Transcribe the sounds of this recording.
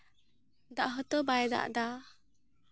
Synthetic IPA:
d̪aʔɦət̪əbajd̪a̰ʔd̪a

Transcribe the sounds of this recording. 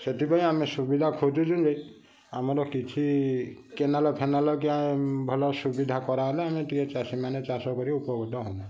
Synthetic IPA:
set̪ibajamisubid̪ʱakʰotud͡ʒũnd͡ʒej | amɔɾɔkit͡ʃʰikɛnalɔpʰɛnalɔk̬iabʱɔlɔsubid̪ʱakɔɾaɦɔlɛamit̪iɛt͡ʃasimanɛt͡ʃasɔkɔɾiupɔɡɔd̪ɔɦɔmɔ

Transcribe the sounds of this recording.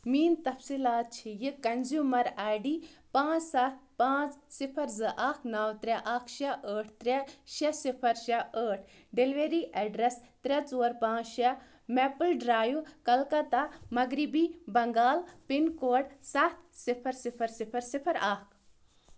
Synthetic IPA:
miːnt̪ɐfsiːlaːt̪̚t͡ʃʰijɨkɐnzjuːmɐɾaːjɖiːpãːt͡ssat̪̚ʰpãːt͡ssipʰɐɾzɨʔaːkʰnɐwt̪ɾʲɛʔakʰʃɐʔəːʈʰt̪ɾʲɛʃɐsipʰɐɾʃɐʔəːʈʰ | ɖelʋeɾiʔɛɖɾest̪ɾʲɐt͡suːɾpãːt͡ʃʃɐ | mɛpɨlɖɾaːjukɐlkɐt̪amɐɡɾibibɐŋɡaːlpinkoːɽsɐt̪ʰsipʰɐɾsipʰɐɾsipʰɐɾsipʰɐɾaːkʰ

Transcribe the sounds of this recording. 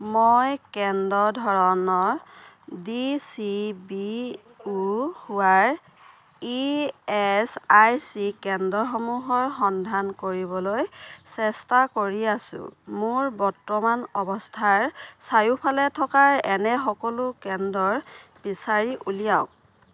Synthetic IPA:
mojkɛndɔdʱɔɹɔnɔɹ | disibi | uhuwaɹ | iɛsajsikɛndɔxomuɦɔɹxɔndʱankoɹibɔlojsɛstakoɹiasʊ̰̃mʊɹbɔɹtːɔmanɔbɔstʰaɹsajupʰalɛtʰɔkaɹɛnɛxɔkɔlʊkɛndɔɹbisaɹiʔulijaʊk̚

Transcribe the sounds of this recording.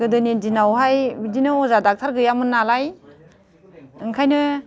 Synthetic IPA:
ɯdɯnendinawɦajbidinɯɔzadak̚tʰaɾɡɯjamɯnːalaj | ɯŋkʰajnɯ

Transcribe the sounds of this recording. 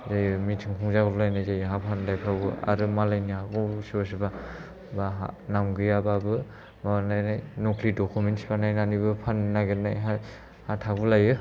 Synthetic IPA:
zajɯmitʰɯŋkʰuŋzaɡɯblajnajzajɦapʰandajpʰabɯa̰ɾɯmalajniɦaɡɯsibas̬iba | baɦa̰namɡɯjababɯ | mabanajnajnokʰlidɔkʰumentsibanajnanibɯpʰanːaɡɯɾnajɦa | hatʰabulajɯ

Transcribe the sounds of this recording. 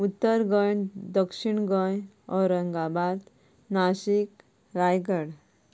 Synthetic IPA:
ut̪ːəɾɡəjd̪əkʂiɳɡəj | ɔɾəŋɡabad̪ | naɕik | ɾajɡəɽ

